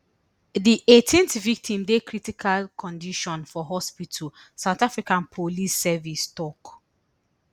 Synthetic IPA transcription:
diʔetʰĩnθvik̚tʰĩmdekɹitikʰalkʰɔ̃ndiʃɔ̃nfɔɦɔspitʰəlsaʊtafɹikãnpʰolisːɛvistɔk

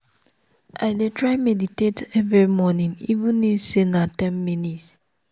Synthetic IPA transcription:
ʔa̰ɪdetɹaɪmɛditetɛvɹimɔnĩnivũnːisenatɛ̃nminits

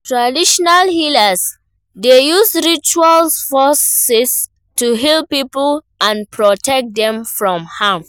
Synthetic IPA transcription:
tɹadiʃɔnalhilas | dejusɹit͡ʃualfɔsɛs | tuɦilpipəl | ãnpɹɔtʰɛk̚dɛ̃mfɹɔ̃mhãm

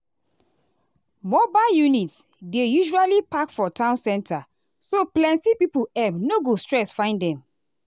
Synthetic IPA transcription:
mɔbajunits | dejuʒualipakfɔtʰãʊ̃nsɛ̃ntʰa | soplɛ̃ntipipuɛbnoɡostɹɛsfãɪ̃ndɛ̃m

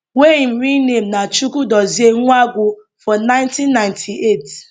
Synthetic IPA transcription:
weim̩ɾinem̩nat͡ʃukudɔzieŋuaɡʷʊ | fɔnãɪ̃ntinːaɪ̃ntʰiʔet

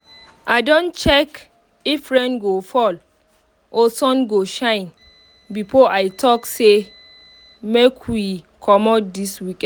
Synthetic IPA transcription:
ʔadõnt͡ʃɛk | ifɹɛ̃nɡofɔl | ʔɔsɔ̃nɡoʃãɪ̃n | bifoʔajtʰɔkse | mekʰwwikʰɔmɔdiswikɛ̃

